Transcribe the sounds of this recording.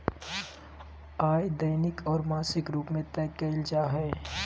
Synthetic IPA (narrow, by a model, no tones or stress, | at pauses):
aːjd̪ɐːnɪkʰɔːɾmaːsɪkɾuːpmẽt̪ɛːkːeːld͡ʒaːɦɛː